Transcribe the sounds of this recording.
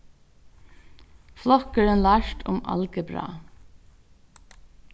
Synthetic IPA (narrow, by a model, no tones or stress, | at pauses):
flɔkəɹənlaʃt̪ʰʊ̰mɑ̰lkəbɾɑ̰ː